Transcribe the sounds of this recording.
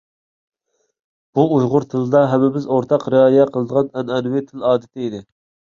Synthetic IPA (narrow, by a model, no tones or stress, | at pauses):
b̥uujʁʊɾt̪ʰɨlˠd̪ɑɦɛmɪbɪzoɾt̪ʰɑqɾɨɑːjɛqʰəlˠəd̪əʁɑnɛnɛnwɪt̪ʰɪlɑːd̪ɪt̪ʰɪid̪ɪ